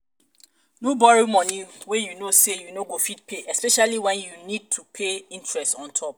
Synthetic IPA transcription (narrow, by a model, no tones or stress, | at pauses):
nobɔɹimɔ̃nĩwejunosejunoɡofid̚pʰeʔɛspɛʃaliwɛ̃njunid̚tʰupʰeĩntʰɹɛstɔ̃ntʰɔp̚